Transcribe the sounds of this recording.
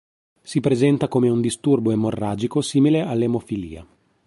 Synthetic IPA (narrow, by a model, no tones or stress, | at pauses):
sipɾezɛnt̪akomeund̪ist̪urboemːorːaːd͡ʒikosiːmilealːemofilḭːa̰